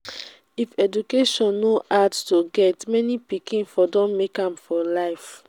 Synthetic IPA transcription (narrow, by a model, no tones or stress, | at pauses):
ifɛd͡ʒukeʃɔ̃nːoʔadtoɡɛtmɛnipikĩnfɔdɔ̃nmekãmfɔlaɪf